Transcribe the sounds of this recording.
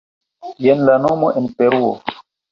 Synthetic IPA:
jenlanomoʔenpeɾuo̰

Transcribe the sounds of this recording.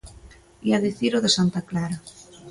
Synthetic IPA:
iaðiθiɾoðesant̪aklaɾa

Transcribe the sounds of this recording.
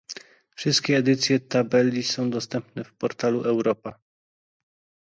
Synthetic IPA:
fʂɘst̪̚kʲɛːd̪ɘt̪sʲjɛt̪abɛlʲːisɔ̃w̃d̪ɔst̪ɛmpnɛfpɔɾt̪aluʔɛwɾɔpa

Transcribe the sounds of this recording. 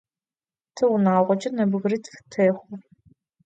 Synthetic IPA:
tʰɨwnaːʁʷɔt͡ʃʼɐnɐbɨɣrɨttʰɐːχʷʊr

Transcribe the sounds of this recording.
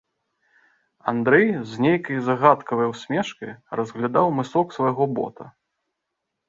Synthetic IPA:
a̰nd̪ɾɛjznʲejkɐjzaɣat̪kɐvɐjwsʲmʲɛʂkɐjrɐzɣlʲad̪awmɨsɔksvɐjɣɔbɔ̰t̪ɐ̰

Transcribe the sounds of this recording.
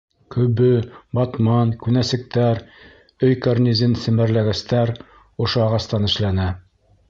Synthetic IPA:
kɵ̆βɵbɑt̪mɑnkʉnæsɘ̆k̚t̪æɾ | ɵjkarnʲizɘnsɘ̆mæ̆ɾlæɡæst̪æɾ | ŏʃoɑʁɑst̪ɑnɘ̆ʃlænæ

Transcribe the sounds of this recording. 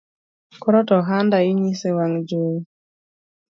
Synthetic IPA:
kɔɾɔtɔɦandaiɲisewaŋd͡ʒo

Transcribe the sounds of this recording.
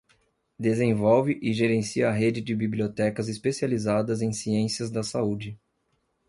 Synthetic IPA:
d̪ezẽvɔwvɪʔɪʒeɾẽsiɐːɦed͡ʒɪd͡ʒɪbibliot̪ɛkɐzɪspesializad̪ɐzẽj̃siẽsiɐzd̪ɐsaud͡ʒɪ

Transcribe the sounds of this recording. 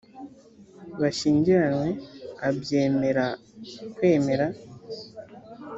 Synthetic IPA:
βaʃiːɲɟiɾanwe̞abje̞ːme̞ɾa | kwe̞ːme̞ɾa

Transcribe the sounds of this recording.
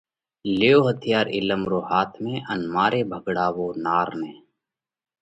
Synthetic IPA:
leːoːɦət̪ʰijaːɾɪ̰ləmɾoːhaːt̪ʰmẽʔənmaːɾeːbʱəɡɽaːʋoːnaːɾnẽː

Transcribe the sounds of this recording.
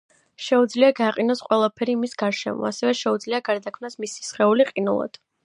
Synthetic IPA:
ʃɛud̪zliaɡaqʼinɔsqʼwɛlˠapʰɛɾimisɡaɾʃɛ̰mɔ̰asɛvɛʃɛud̪zliaɡaɾd̪akʰmnasmisi̥sχɛuliqʼinṵlˠa̰d̪̥

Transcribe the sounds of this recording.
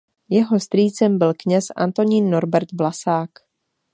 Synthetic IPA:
jɛɦo̞st̪ɾiːt͡sɛmbɪlkɲɛsʔa̰nt̪o̞ɲiːnːo̞ɾbɛɾt̪vlasaːk

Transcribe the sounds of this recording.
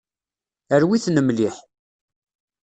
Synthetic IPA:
əɾwiθnəmliħ

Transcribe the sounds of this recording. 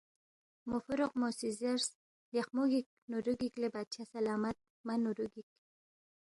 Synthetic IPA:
mʊfʊɾʊqmosizeɾs | lexmuɡik̚ | nuɾuɡiklebat͡ʃʰasalɑmat̪̚ | manuɾuɡik̚

